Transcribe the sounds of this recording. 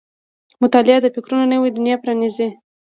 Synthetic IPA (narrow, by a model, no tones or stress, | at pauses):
mʊt̪ɑlɪad̪əfɪkɾunonəwed̪ʊnjapɾanizi